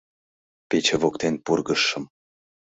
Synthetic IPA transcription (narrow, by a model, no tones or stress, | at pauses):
pet͡ɕevokt̪enpurɣəʃə̆m